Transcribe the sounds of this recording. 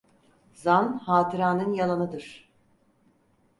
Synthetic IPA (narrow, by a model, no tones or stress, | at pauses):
zanhaːt̪ʰɯɾaːnɯnjalˠanɯd̪ɯɾ̥